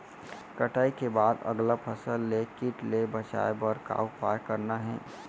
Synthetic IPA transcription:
kəʈaːikebaːd̪ɐ̰ɡlapʰəsəlːekɪʈlebət͡ʃa̰ːebəɾka̰ːwpa̰ːjkəɾnaɦɛ̰̃ː

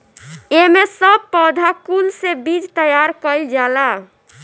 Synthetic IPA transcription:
emesəb̚pəd̪ʱakulsebid͡ʒt̪əjaɾkəɪld͡ʒala

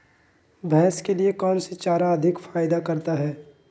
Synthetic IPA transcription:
bʱɛːskeliekɔːnset͡ʃaːɾaɐd̪ʱɪkfaːjɪd̪akɐɾt̪aɦɛː

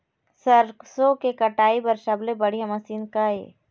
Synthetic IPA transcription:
sɐɾksokekɐʈaːibɐɾʃɐblebɐɽ̤iɦɐmasiːnkaːḛː

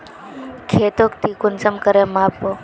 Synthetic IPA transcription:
kʰeːt̪oːkt̪iːkʊnsəmkəɾemaːpːoː

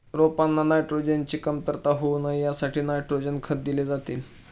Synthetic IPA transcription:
ɾopanːanajʈɾod͡ʑent͡ɕiːkəmt̪əɾt̪aɦounajjasaʈʰiːnajʈɾod͡ʑenkʰət̪̚d̪iled͡zat̪iːl

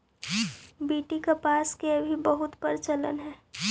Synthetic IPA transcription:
biːʈikepaːskeəbʱibəɦʊt̪pəɾt͡ʃələ̰nɦɛː

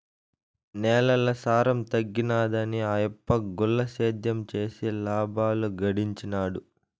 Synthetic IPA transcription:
nɛːlɐlɐsaːɾɐmt̪ɐɡːinaːd̪ɐniɐjɐpːɐɡulːɐʃeːd̪ʱjɐmt͡ʃeːsilaːbʱaːluɡɐɽiɲt͡ʃinaːɽu

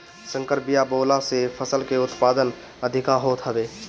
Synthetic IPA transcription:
sə̃ŋkəɾbijabolasepʰəsəlkeʊt̪pad̪ən | əd̪ʱikaɦot̪ɦəbe

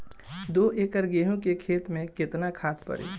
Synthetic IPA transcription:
d̪oːʔeːkəɾɡeːɦũkekʰeːt̪mẽkɪt̪nakʰaːt̪pə̰ɾḭː

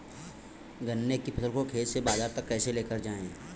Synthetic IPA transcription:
ɡənːekipʰɐsəlkokʰeːd͡ʒsebaːzaːɾt̪ɐkːɛːseleːkəɾd͡ʒaːḛ̃

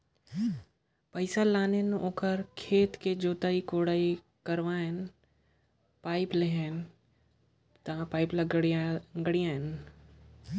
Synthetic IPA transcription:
pəɪsalaːnenʔoːkəɾkʰeːt̪ked͡ʒoːt̪aːikoːɽaːi | kəɾʋaɦɛn | paːɪpleɦɛn | t̪ãpaːɪplɐɡɽaɡəɽijãɦɛn

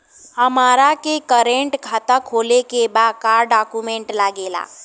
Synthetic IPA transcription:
həmaɾakekəɾeɳʈkʰat̪əkʰolekebakaɾɖakumeɳʈlaɡela̰

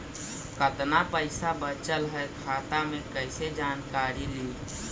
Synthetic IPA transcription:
kəd̪napəɪsabət͡ʃəlɦəekʰaːt̪amẽkəɪsed͡ʒaːnkaːɾili

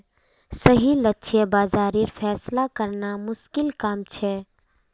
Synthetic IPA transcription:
səɦilətːʃʰebaːzaːɾiɾpʰɛːslakəɾnamʊskɪlkaːmt͡ʃʰɛ

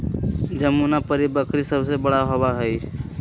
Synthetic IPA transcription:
d͡ʒəmunapəɾibəkɾisəbsebəɽaɦoʋaɦəi

